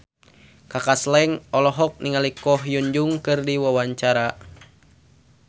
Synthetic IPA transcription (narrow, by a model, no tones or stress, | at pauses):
kakaslɛŋɔlɔɦɔk̚niŋalikɔɦjuɲd͡ʒuŋkɨrdiwawaɲt͡ʃaɾa